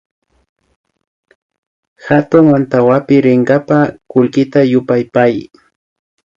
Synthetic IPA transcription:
xat̪ʊŋmant̪awapɪɾɪɴɡapakʊlkɪt̪ajʊpajpaj

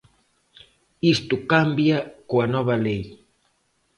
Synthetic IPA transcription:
ist̪ʊkambjakoanɔβɐlej

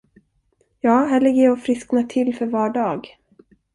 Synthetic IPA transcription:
jɑːɦɛːɭɛɡəjɔfɾɪsknat̪ʰɪlfœɾvɑːɖɑːɡ

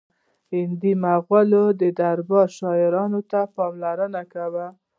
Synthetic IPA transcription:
hɪnd̪imaɣwalod̪əd̪aɾbɑɾʃɑɪɾɑnot̪apɑmlaɾənakawə

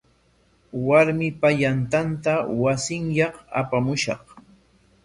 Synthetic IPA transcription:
waɾmɪpaʎant̪ant̪awasɪŋjɑχa̰pamʊʃɑ̰χ

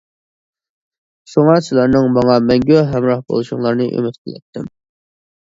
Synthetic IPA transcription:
ʃoŋɑsɪlˠɑɾnɨŋmɑŋɑmɛŋɡʲøɦɛmɾɑχbo̰lˠuʃʊŋlˠɑɾnɨʔy̰mɪt̪kʲʰɪlɛ̰t̪ʰːɪm

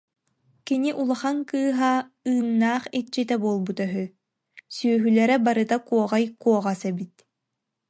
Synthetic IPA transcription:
kiniʔulˠaχaŋkɯːɦa | ɯːnːaːχit͡ɕit̪ɛbuɔlˠbut̪œɦy | syœɦylɛɾɛbaɾɯt̪akuɔʁajkuɔʁasɛbit̪

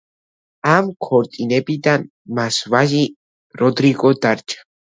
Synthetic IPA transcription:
amkʰɔɾt̪ʼinɛbid̪an | masvaʒi | ɾɔd̪ɾiɡɔd̪aɾt͡ʃʰḁ

